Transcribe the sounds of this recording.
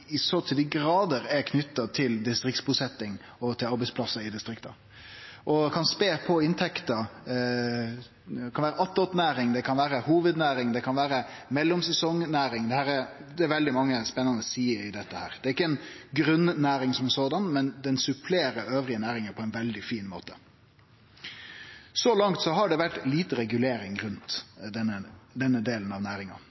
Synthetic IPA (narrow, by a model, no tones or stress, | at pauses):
ɪsot̪ʰiːd̪əɡɾɑːd̪əɾɛkʰnʏt̪ːɑt̪ʰɪld̪ɪst̪ɾɪk̚t̪sbuːsɛt̪ːɪŋ | ɔt̪ʰɪlɑɾbɛɪspʰlɑsːəɾɪd̪ɪst̪ɾɪkt̪ɑ | ʔɔkʰɑnspeːpʰɔɪnt̪ʰɛkt̪ɑ | kʰɑnʋæːɾəɑt̪ːɔt̪næːɾɪŋd̪ɛkʰɑnʋæːɾəhuːʋəd̪næːɾɪŋd̪ɛkʰɑnʋæːɾəmɛlːɔmsɛsɔŋnæːɾɪŋd̪ɛhæːɾɛɾd̪ɛæɾʋɛld̪ɪmɑŋːəspɛnːɑnəsiːəɾɪd̪ɛt̪ːəhæːɾd̪̥ɛæɾɪkːəɛnɡɾʉnːnæːɾɪŋsɔmɛsoːd̪ɑnmɛnd̪ɛnsʉpʰleːɾəøːʋɾɪənæːɾɪŋəpʰɔɛɪnʋɛld̪ɪfiːnmo̰ːt̪ə̥ | sɔlɑŋt̪sɔɦɑɖɛʋæʈliːt̪əɾɛɡʉleːɾɪŋɾʉnt̪d̪ɛnːəd̪ɛnːəd̪eːlənɑʋnæːɾɪŋɑ̰